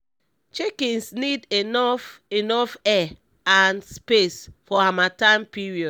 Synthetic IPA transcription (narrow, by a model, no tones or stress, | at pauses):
t͡ʃekĩnsnidenɔfenɔfɛ | anspesfɔamatãɪ̃mpiɹiɔd